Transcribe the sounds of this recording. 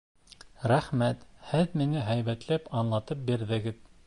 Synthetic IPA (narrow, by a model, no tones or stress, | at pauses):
ɾæχmæt̪hɘðminɘɦæjβæt̪læpɑnlˠɑt̪ɤp̚biɾðɘ̆ɡɘð